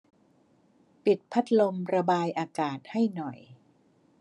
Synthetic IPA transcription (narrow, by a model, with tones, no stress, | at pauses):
pi˨˩t̪̚pʰa˦˥t̪̚lo˧mɾa˧baː˧jʔaː˧kaː˨˩t̪̚ha˥˩jnɔ˨˩j